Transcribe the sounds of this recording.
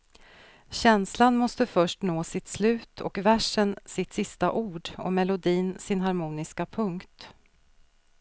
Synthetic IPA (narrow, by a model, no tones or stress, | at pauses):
ɕɛnslanmɔst̪əfœʂʈnoːsɪt̪slʉ̟ːt̪ʰɔ̰kvæʂənsɪt̪sɪst̪aʔuːɖɔ̰mɛlʊd̪iːnsɪnɦaɾmuːnɪskapʰɵŋkt̪